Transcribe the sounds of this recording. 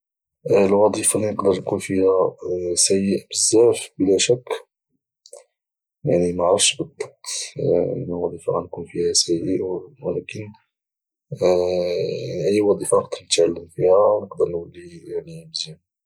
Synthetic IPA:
lwɑd̪ˤifɑlinəqd̪əɾˤnkunfihæsæjəʔbəzːæfbəlæʃækː | jaʕnimaʕɾˤɑfʃbəd̪ˤːɑb̚t̪ə̰nːæwɑd̪ˤifɑʔɑnkunfihæsæjəʔwlækən | aniʔəjːwɑd̪ˤifɑəq̚d̪əɾnət̪ʕalːəmfihænəqd̪əɾnwəlːijaʕnimzim

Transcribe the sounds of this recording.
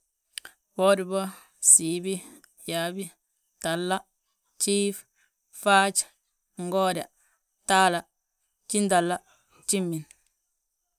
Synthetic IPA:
wɔdibɔ | siːbi | jaːbi | talːa | t͡ʃiːf | faːt͡ʃ | ŋɡɔda | taːla | t͡ʃindalːa | t͡ʃimːin

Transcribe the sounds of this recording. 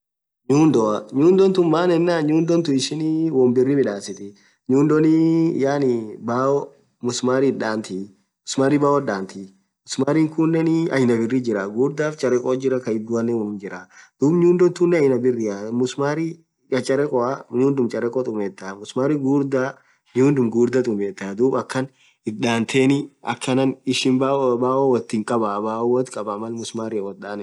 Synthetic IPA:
ɲuːnd̪ɔɐɲuːnd̪ɔnt̪ʊmmaːnɛnːaːɲuːnd̪ɔnt̪ʊɪʃɪniwɔmbɪrːɪmɪᶑaːsɪt̪ɪ | ɲuːnd̪ɔnijaːnɪbaːɔ | mʊsmaːɾiᶑaːnt̪i | mʊsmaːɾibaːwɔɗaːnt̪i | mʊsmaːɾiːŋkʊnːɛnɪɐjnɐbɪrːid͡ʒɪɾɐɡuːɾd̪aːft͡ʃʼɐɾɛkʼɔd͡ʒɪɾːɐkɐɪd̪ʊɐnɛwɔnʊnd͡ʒɪɾad̪̥uːbɲuːnd̪ɔnt̪ʊnːɛɐjnɐbɪrːɪamʊsmaːɾi | ɐt͡ʃʼɐɾɛkʼɔaɲuːnd̪ʊmt͡ʃʼɐɾɛkʼɔt̪ʼʊmeːt̪ːamʊsmaːɾiɡuːɾd̪a | ɲuːnd̪ʊmɡuːɾd̪ɐt̪ʼʊmeːt̪ːad̪uːbɐkːɐn | ɪᶑaːnt̪ʰeːnɪʔɐkʰːɐnɐnɪʃɪnbabaːʔɔwɐt̪ːɪŋkʼɐbabaːɔwɔt̪kʼɐbɐmɐlmʊsmaːɾɪɐwɔt̪̚ᶑaːnɛ

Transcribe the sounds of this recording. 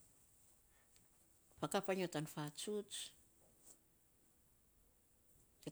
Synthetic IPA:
pakapaɲotanfat͡ʃut͡ʃ | le

